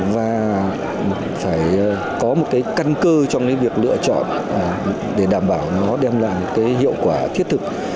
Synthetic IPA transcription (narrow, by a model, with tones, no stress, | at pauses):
vaː˨˩ | faː˧˩j | kɔ˨˦mo˨˩t̚kaː˨˦jka˧nkəː˧t͡ɕɔ˧wŋ͡mkaː˨˦jvi˨˩ək̚lɨ̰˧˨ət͡ɕɔ̰˧˨nː˨˩ | ɗe˧˩ɗaː˧˩mɓaː˧˩wnɔ˨˦ɗɛ˧mla̰ː˧˨jmo˨˩t̚kaː˨˦jɦḭ˧˨əwkwaː˧˩t̪ʰi˦˥t̚t̪ʰɨ˨˩k̚